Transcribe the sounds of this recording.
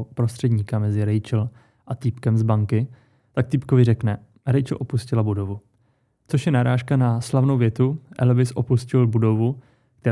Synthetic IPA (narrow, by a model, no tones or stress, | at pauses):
pɾost̪r̝̥ɛdɲiːkamɛzɪɾɛjt͡ʃl | ʔat̪iːpkɛmzbaŋkɪ | t̪ak̚t̪ipkovɪrɛknɛ | ɾɛjt͡ʃl̩ʔo̞puscɪlabudo̞vu | t͡so̞ʃjɛnaɾaːʃkanaslavnowvjɛt̪uʔɛ̰lvɪsʔopuscɪlbudo̞vu | kt̪ɛ